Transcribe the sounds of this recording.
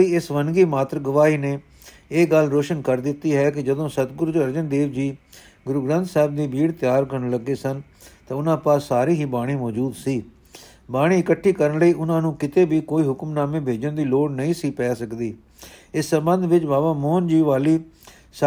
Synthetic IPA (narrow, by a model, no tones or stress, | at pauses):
iːɪsʋənɡiːmaːt̪ɾəɡəʋaːiːneː | eːɡəlɾoːʃənkəɾd̪ɪt̪ːiːɦɛːkɪd͡ʒəd̪õːsət̪ɡʊɾd͡ʒəɾd͡ʒənd̪eːʋd͡ʒiː | ɡʊɾuɡɾãːnt̪sɛːb̚d̪iːbiːɽt̪ɪjaːɾkəɾɳləɡːeːsən | t̪ãːʊnãːpaːaːɾiːɦiːbaːɽ̃iːmɔːd͡ʒuːd̪siː | baːɽ̃ĩːɪkəʈʰːiːkəɾənləiːʔʊnãːnũːkɪt̪eːbiːkoːiːɦʊkmnaːmẽːbʱeːd͡ʒənd̪iːloːɽnəĩːsiːpɛːsəkd̪iː | ɪsːəmbə̃nd̪ʋɪt͡ʃbaːbaːmoːnd͡ʒiːʋaːliː | s